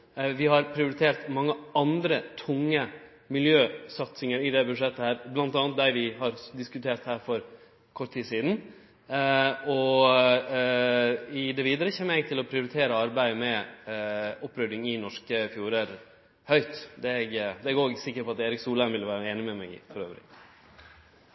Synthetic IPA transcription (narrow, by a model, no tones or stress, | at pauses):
ʋɪhɑɾpʰɾɪʊɾɪt̪ʰeːɾt̪mɑŋːəɑnd̪ɾət̪ʰʊŋːə | mɪljøːsɑt̪sɪŋəɾɪd̪ɛbʉd̪ʂɛt̪ːəhæːɾblɑnt̪ɑːnət̪̚d̪æɾʋɪɦɑɾd̪ɪskʉt̪ʰeːɾt̪hæːɾfɔɾ | kʰɔʈt̪ʰiːsiːd̪n̩ | ɔ | ɪd̪ɛʋiːd̪əɾəçeːmːɛɡ̚t̪ʰɪlɔpʰɾɪʊɾɪt̪ʰeːɾəɑɾbæɪmɛ | ʊpːɾœd̪ɪŋɪnɔʂkəfjuːɾəɾ | hœʏt̪d̪ɛɛɡd̪ɛɛɡoːɡsɪkːəɾpɔɑt̪eːɾɪksuːlænʋɪləʋæːɾəeːnɪmɛmɛ̰ɡɪ̰fɔɾøːʋɾɪ̰